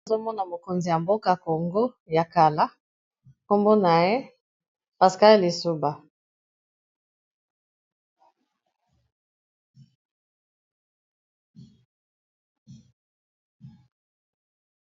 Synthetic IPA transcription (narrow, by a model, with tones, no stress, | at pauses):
zo˦mɔ˦na˨mo˨ko˨nzi˨ja˨mbo˦ka˨ko˨ŋɡo˦ | ja˨ka˨la˦ | ko˦mbo˦na˨je˦ | pa˨ska˦lli˨su˦ba˨